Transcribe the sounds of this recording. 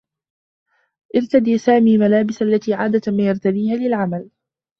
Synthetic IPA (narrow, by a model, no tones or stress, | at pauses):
ʔɪɾt̪ad̪iːsaːmiːmalaːbɪsalːat̪iːʕaːd̪at̪maːjɑɾˤt̪ad̪iːhaːlɪlʕamal